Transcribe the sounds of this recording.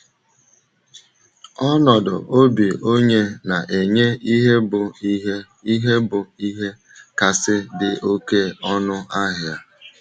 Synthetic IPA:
ɔ˦nɔ˨dʊ̰˨ʔo˦bi˨o˦ɲe˦na˨ʔe˨ɲe˦i˦ɦe˦bʊ˨i˦ɦe˦ | i˦ɦe˦bʊ˨i˦ɦe˦ | ka˨sɪ˦dɪ˨ʔo˦ke˦ɔ˦nʊ˦a˦ɦɪ˨a˨

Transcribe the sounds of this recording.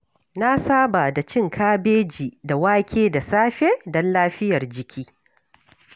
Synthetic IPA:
na˦saː˦ba˨da˨t͡ʃɪ˦˨ŋkʰaː˦beː˦d͡ʒiː˨da˨waː˦kʲeː˦da˨saː˦ɸeː˦dɔ˦nlaː˦ɸɪ˦jɐ˨rd͡ʒɪ˨kʲʰiː˦

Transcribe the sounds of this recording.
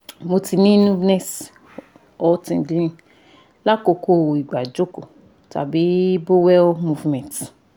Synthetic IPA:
mo˧ti˧nĩ˦nũ˦nɛ˦s | ɔ˨˧tĩ˨dĩ˦ĩ˧ | la˦ko˧ko˦˨i˨ɡ͡ba˨d͡ʒo˦ko˨ | ta̰˨bi˨˦bo˦wɛ˦lmu˧vmɛ̃˨t

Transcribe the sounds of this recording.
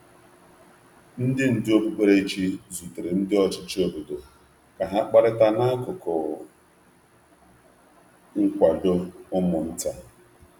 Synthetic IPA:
n̩˦dɪ˦n̩˨dɪ˦o˦bu˦k͡pe˦ɾe˦t͡ʃi˦zu˨tɪ˨ɾɪ˨n̩˦dɪ˦ɔ˦t͡ʃɪ˦t͡ʃi˦o˦bo˨do˨ | ka˨ɦa˦k͡pa˦ɾɪ˦ta˦na˦kʊ˨kʊ˨ | ŋ̩˦kʷa˨do˦ʊ˦mʊ˨n̩˦ta˦

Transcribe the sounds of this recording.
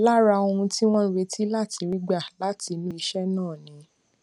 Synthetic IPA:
la˦ɾa˧o˧ũ˧ti˦w̃ɔ̃˦ɾe˧˦tʰi˦la˦˨tʰi˧ɾi˦ɡ͡ba˦˨la˨˦ti˧nĩ˦i˧ʃɛ˦nãː˦˨nĩ˨˧˦

